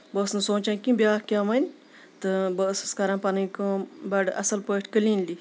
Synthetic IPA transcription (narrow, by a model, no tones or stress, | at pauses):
bəːsnɨsoːt͡ʃankĩbʲaːhkʲaːʋɐnʲ | t̪ɨbəːsskɐɾãːnpɐnɨkoːbɐɖʔɐsɐlpəːʈʰʲkəliːnli